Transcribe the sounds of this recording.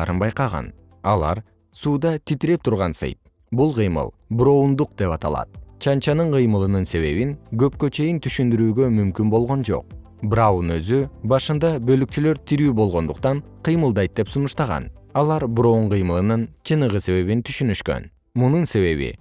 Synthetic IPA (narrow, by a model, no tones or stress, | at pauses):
ɾɯnbɑjqɑʁɑ̰n | ɑ̰lˠɑ̰ɾ | suːd̪ɑt̪ʰit̪iɾe̞p̚t̪ʰuɾʁɑnsɯ̰jt̪̚ | bulˠqʰɯjmɯ̰lˠbɾo̞und̪uq̚d̪e̞pɑt̪ɑ̰lˠɑ̰t̪̚t͡ʃʰɑnt͡ʃɑnɯɴqʰɯjmɯlˠɯnɯnse̞βe̞βinɡø̞pkø̞t͡ʃe̞jint̪ʰyʃynd̪yɾyːɡø̞mymkynbo̞lˠʁo̞nd͡ʒo̞̰q̚ | brawunø̞zybɑʃɯnd̪ɑbø̞lyk̚t͡ʃylø̞ɾt̪ʰiɾyːbo̞lˠʁo̞nd̪uqt̪ɑɴqʰɨjmɯlˠd̪ɑjt̪̚d̪e̞psunuʃt̪ɑʁɑ̰n | ɑlˠɑɾbɾo̞ɴqʰɯjmɯlˠɯnɯnt͡ʃʰɯnɯʁɯse̞βe̞βint̪ʰy̥ʃynyʃkø̞̰n | mununse̞βe̞βḭ